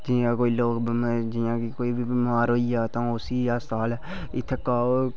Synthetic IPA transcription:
d͡ʒiːãːkoːiloːkbmd͡ʒijãːkikoːibibmaːɾɦoːiaːt̪ãʊsiːaːst̪aːl | ɪt̪ʰːekaːo

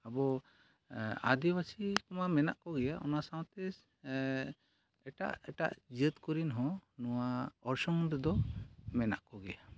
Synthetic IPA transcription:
abɔ | ad̪ibasikɔmamɛna̰ʔkɔɡɛjaʔɔnasaw̃t̪ɛ | ɛʈa̰ʔɛʈa̰ʔd͡ʒət̪kɔɾinɦɔ̃nɔwaɔɾsɔŋd̪ɛd̪ɔmɛna̰ʔkɔɡɛja

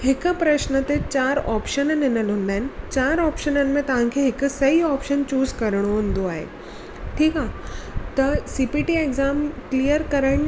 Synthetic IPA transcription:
hɪkpɾɐʃnət̪et͡ɕaːɾɔːpʃənnɪnəlɦʊ̃nd̪aːɦɪnɪ̆t͡ɕaːɾɔːpʃənənɪ̆mẽt̪ɐʋ̤ãkʰeɦɪksɐɦiɔːpʃənt͡ɕuːzkɐɾɽ̃oɦũnd̪oaːɦḛ | ʈʰiːkat̪ɐsiːpiːʈieɡzaːmklijəɾkɐɾəɽ̃

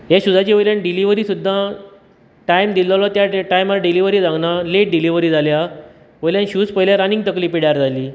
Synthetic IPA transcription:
ɦaɕud̪ʱat͡ɕiʋəjljanɖiliʋəɾiːsud̪ʱːã | ʈajmd̪ilɔlɔt̪jaʈajmalaɖiliʋəɾiːd͡zãŋɡnaleʈ̚ɖiliʋəɾiːd͡zʱalja | ʋəjljãnɕuːspəɦiljaɾanĩŋɡt̪əkliːpiɽjaɾd͡zʱaliː

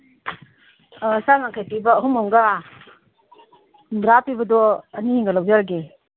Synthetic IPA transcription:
sanaŋkʰajpibɐːɦumɔŋɡa | bɾapibɐdɔɐniiŋɡalawzaɾɡi

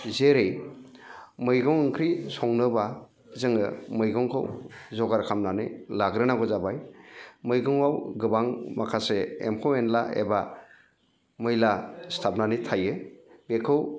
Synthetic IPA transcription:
zeɾej | mɯjɡɔŋɯŋkʰɾisɔŋnɯba | zɯŋɯmɯjɡɯŋkʰɯ̰wzɔɡaɾkʰamnanɯ̰laɡɾɯnaɡɔzabajmɯjɡɯŋawɡɯbaŋmakʰaseemkʰɯwenlaḛba | mɯjlastʰap̚nanɯtʰajɯbekʰɯw

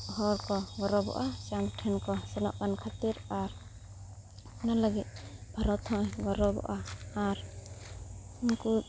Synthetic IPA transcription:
ɦɔɾkɔɡɔɾɔbɔ̰ʔasamʈʰɛnkɔsɛnɔ̰ʔkankʰat̪iɾaɾ | ɔnalaɡit̪̚bʱaɾɔt̪hɔ̃jɡɔɾɔbɔ̰ʔaːɾ | inku

